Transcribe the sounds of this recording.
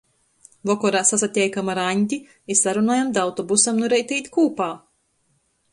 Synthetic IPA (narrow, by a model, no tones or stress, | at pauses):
lˠɔkɔɾaːsasat̪ʲɛjkamaɾaɲʲt̪ʲi | isaɾunaːjamd̪awt̪ɔbusamnuɾɛjt̪ʲijt̪kuːpaː